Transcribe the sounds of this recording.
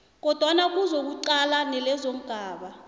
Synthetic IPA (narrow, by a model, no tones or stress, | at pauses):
k̬ɔd̥ʱwanak̬uzok̬uǀalanɛlɛzoŋ̩ɡ̥ʱaːɓa